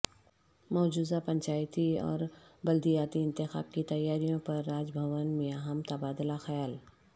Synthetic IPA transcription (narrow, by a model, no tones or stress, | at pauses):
mɔːd͡ʒuːzapɐ̃ɲt͡ʃaːjt̪iɔ̰ːɾbɐld̪ijaːt̪iɪ̃nt̪ɪxa̰ːb̚kit̪ɐjːaːɾijõpɐɾːaːd͡ʒbʱɐʋənmijaːɦəmt̪ɐbaːd̪laxɐjaːl